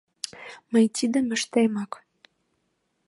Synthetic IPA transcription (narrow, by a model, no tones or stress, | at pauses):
məjt̪id̪ə̆mə̆ʃt̪ejmɑk